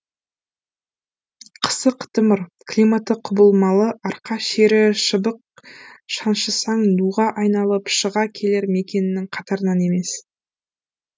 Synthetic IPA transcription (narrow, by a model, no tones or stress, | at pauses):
qʰə̥səqʰt̪əməɾkʰlʲimat̪ːəqʰʊbəlˠmɑlˠəʔɑɾqɑʃe̞ɾɪʃəbəq̚ | ʃɑnʃəsɑŋnuʁɑʔɑjnɑlˠəpʃəʁɑkʲʰe̞le̞ɾme̞kʲe̞nɪnɪŋqʰɑt̪ɑɾənɑne̞me̞s